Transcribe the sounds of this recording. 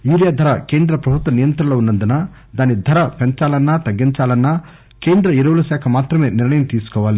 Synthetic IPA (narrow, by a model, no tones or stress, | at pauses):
juːɾjaːd̪ʱɐɾɐkeːnd̪ɾɐpɾɐbʱut̪ʋɐnijɐnt̪ɾɐloːunːɐnd̪una | d̪aːnid̪ʱɐɾɐpeɲt͡ʃaːlɐnːaːt̪ɐɡːiɲt͡ʃaːlɐnːaː | keːnd̪ɾɐiɾɐʋulɐʃaːkʰɐmaːt̪ɾɐme̞ːniɾɳɐjɐmt̪iːsu̥kɔːʋaːli